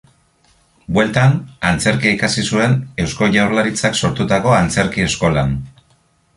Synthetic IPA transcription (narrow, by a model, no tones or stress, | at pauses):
bwe̞lt̪anant͡se̞ɾkiikasisue̞ne̞wsko̞ʝawɾlaɾit͡sakso̞ɾt̪ut̪ako̞ant͡se̞ɾkie̞sko̞lan